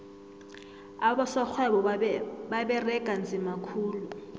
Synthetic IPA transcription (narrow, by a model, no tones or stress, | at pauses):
aɓɔsɔk͡xʰwɛɓɔɓaɓɛrɛɡ̥ʱand͡zʱimakʰuːlu